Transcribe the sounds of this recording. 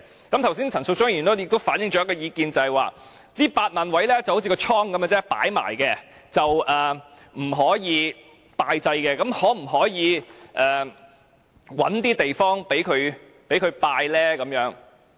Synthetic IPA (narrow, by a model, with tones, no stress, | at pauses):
kɐ˨˥mt̪ʰɐ˨˩wsiː˥nt͡sʰɐ˨˩nsʊ˧k̚t͡ʃʊ˥ŋ˥˩y˨˩no˥jɪ˨k̚t̪o˥wfaː˨˥njɪ˧ŋt͡ʃɔː˨˥ɐ˥kɔː˧jiː˨˧kiː˨˧nt͡sɐ˨hɐ˨jwa̰ː˨˧ | t̪iː˥paː˧t̚maː˨nwɐ˨˥jlɛː˥t͡swho˨˥wt͡sʰi˧kɔː˧t͡ʃʰɔː˥ŋkɐ˨˥mɐ˧t͡sɛː˥pa̰ː˨˥jma̰ː˨˩jkɛː˧ | t͡sɐ˨wʔɛː˨ | m̩˨˩ɦɔː˨˥jiː˨˧ | paː˧jt͡sɐ˧jkɛː˧kɐ˨˥mhɔː˨˥m̩˨˩ɦɔː˨˥jiː˨˧ʔɛː˨˩ | wɐ̰˨˥nt̪iː˥t̪e˨jfɔː˥ŋpe˨˥jkʰɵ˨˧ɥ | pe˨˥jkʰɵ˨˧ɥpaː˧jlɛː˥kɐ˨˧˥mjœː˨˥ŋ